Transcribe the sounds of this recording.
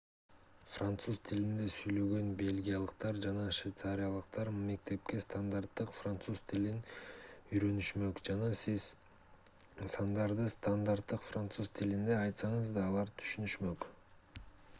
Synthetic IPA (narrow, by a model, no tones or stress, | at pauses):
frant̪suzt̪ʰilind̪e̞syjlø̞ɡø̞nbe̞lʲɡʲijalˠəqt̪ɑɾd͡ʒɑnɑʃvʲejt̪saɾʲijalˠəq̚t̪ɑɾme̞k̚t̪e̞p̚ke̞st̪and̪art̪ːɯqfrant̪suzt̪ʰilinyjɾø̞nyʃmø̞kd͡ʒɑnɑsiz | sɑnd̪ɑɾd̪ɯst̪and̪art̪ːɯqfrant̪suzt̪ʰilind̪e̞ɑjt̪sɑɴəzd̪ɑːlˠɑɾt̪ʰy̥ʃynyʃmø̞k